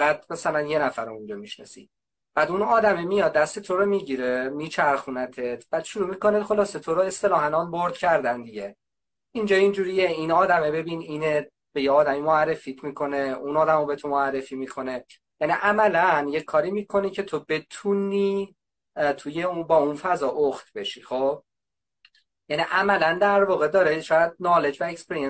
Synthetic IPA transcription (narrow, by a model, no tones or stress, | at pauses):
æt̪̚mæsælænje̞næfæɾoũnd͡ʒɒːmiʃnɒ̰sḭ | b̥æːd̪unɒːd̪æmemijɒd̪̚ːæst̪et̪ʰo̞ɾomiɟiɾemiːt͡ʃʰæɾxunæt̪ʰet̪ʰb̥æːd̪ʃuɾuːmiːko̞net̪xo̞lɒːset̪ʰoɾoe̞st̪e̞lɒːɦænɒːnboɾd̪̥cʰæɾd̪ænd̪iɟe | ind͡ʒɒːind͡ʒuːɾijeinɒːd̪æmebe̞binine | b̥e̞jeɒːd̪æmimoærːe̞fit̪ʰmiːkʰo̞neunɒːd̪æmobet̪ʰomoærːe̞fimiːkʰo̞ne̞ | jæniʔæmælænje̞cʰːɒːɾiːmiːkʰo̞nicʰe̞t̪ʰobe̞t̪ʰuniː | t̪ʰujeubɒːunfæzɒːʔoxt̪be̞ʃixob̚ | jæniʔæmælænd̪æɾvɒːɣe̞d̪ɒːɾeʃɒːjæd̪̚nɒːle̞d͡ʒvæekspe̞ɾijen